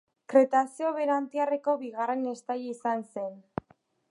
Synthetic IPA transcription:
kɾe̞t̪asioβe̞ɾant̪iareko̞βiɣare̞ne̞st̪ajisanse̞n

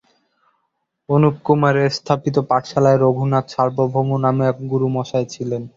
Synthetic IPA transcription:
onup̚kumaɾest̪ʰapit̪̬opaʈʃalaeɾoɡʱunat̪ʃaɾbobʱomunameɛkɡuɾumɔʃaet͡ɕʰilen

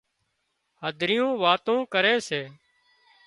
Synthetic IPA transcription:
həd̪ʱɾɪjõːʋaːt̪õːkəɾeːseː

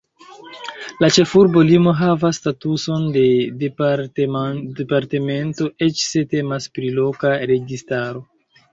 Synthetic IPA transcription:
lat͡ʃe̞fuɾbo̞limo̞ɦavastatuso̞nde̞d | depaɾte̞me̞nto̞e̞t͡ʃse̞te̞maspɾilo̞kaɾe̞ɡistaɾo̞

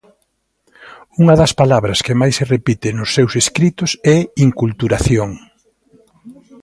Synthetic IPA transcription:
uŋɐðɐspalaβɾɐskɪmajsːerepit̪ɪnʊsːewseskɾit̪ʊsɛiŋkult̪uɾaθjoŋ

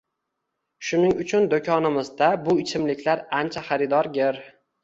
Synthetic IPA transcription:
ʃʊnɪŋʊt͡ʃʰʊnd̪okʰʲɒnɪmɪzd̪abʊɪt͡ʃʰɪmlɪkʲʰlaɾant͡ʃʰaχɑɾɪd̪ɒɾɡʲeɾ

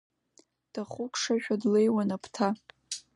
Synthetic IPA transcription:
d̥aχukʷʰʂaʃᶣadlejwanapʰtʰa

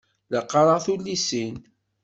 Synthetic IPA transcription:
ləqːɑɾˤəθulːisin

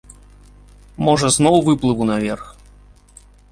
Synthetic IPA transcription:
mɔʐɐznɔwvɨplˠɨvunɐvʲerx

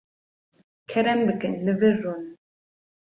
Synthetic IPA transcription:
kʰɛɾɛmbɨkɨnlɨvɨrːun

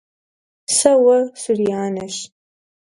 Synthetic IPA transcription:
sɐwɐsuriaːnɐɕ

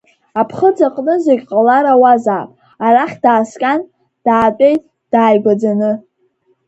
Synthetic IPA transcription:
apʰχəd͡zaqʼnɨzeɡʲqʼalaɾawazaːpʼ | aɾaχʲd̥aːskʲʼan | d̥aːtʼe̞jtʼ | d̥aːjɡʷad͡zanɨ

